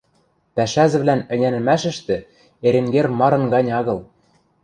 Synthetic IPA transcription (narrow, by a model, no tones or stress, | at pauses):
pæʃæzɘ̆βlænɘ̆nʲænɘ̆mæʃɘ̆ʃt̪ɘ̆ | eɾĕŋɡermɑɾɤ̆nɡɑnʲɑɣɤ̆lˠ